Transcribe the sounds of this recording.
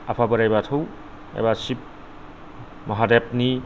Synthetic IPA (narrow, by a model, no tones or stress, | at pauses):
apʰabɯɾajbatʰow | ḛbasip̚ | mʌɦadep̚ni